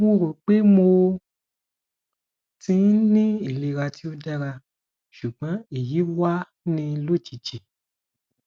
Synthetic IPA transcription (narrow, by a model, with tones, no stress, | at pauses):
mo˧ɾo˨k͡pe˦mo˧ | tĩ˧˦n˦nĩ˦i˦˨le˨˧ɾa˧ti˦o˦dɛ˦ɾa˧ | ʃu˨ɡ͡bã˨˦e˦˨ji˨˦wa˦ | nĩ˧lo˦˨t͡ʃi˨t͡ʃi˨